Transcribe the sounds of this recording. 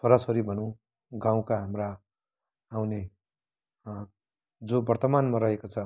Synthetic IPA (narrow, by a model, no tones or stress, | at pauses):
sʰʌɾasʌɾibʱʌnũ | ɡãw̃kaɦamraː | wne | d͡zobʌrt̪ʌmanmaɾʌɦekot͡sʰʌ